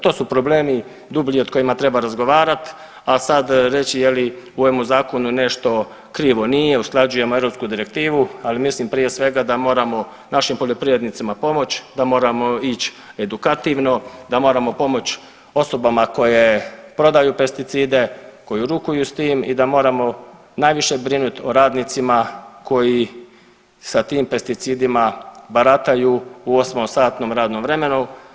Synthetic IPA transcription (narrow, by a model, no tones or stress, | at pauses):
t̪o̞ːsupɾo̞ble̞ːmi | d̪ubʎio̞d̪̚ko̞jimat̪ɾe̞baɾazɡo̞ʋaːɾat̪ | asad̪ɾe̞t͡ɕije̞liuoemuzaːko̞nune̞ʃt̪o̞ | kɾiːʋo̞nije̞usklˠad͡ʒuje̞moeɾopskud̪iɾe̞k̚t̪iːʋualimislimpɾije̞sʋe̞ɡad̪amo̞ːɾamo̞ | naʃimpo̞ʎo̞pɾiʋed̪nit̪simapo̞mo̞t͡ɕd̪amo̞ːɾamo̞it͡ɕ | e̞d̪ukat̪iːʋno̞d̪amo̞ːɾamo̞po̞mo̞t͡ɕ | o̞so̞bamako̞je̞pɾo̞d̪ajupe̞st̪it̪siːd̪e̞ko̞jiɾukujust̪iːmḭd̪amo̞ːɾamo̞ | naːjʋiʃe̞bɾinut̪oɾaːd̪nit̪simako̞ji | sat̪iːmpe̞st̪it̪siːd̪imabaɾat̪ajuuo̞smosaːt̪no̞ːmɾaːd̪nomʋɾe̞me̞nu